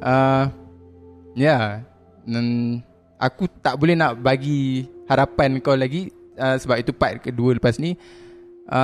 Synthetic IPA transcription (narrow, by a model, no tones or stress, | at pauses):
ʔə | ja | an | ʔa̰kut̪aʔbolɛhnaʔbaɡihaɾapankawlaɡiəsəbapit̪upaʔ̚kəduələpasnĩ | ʔə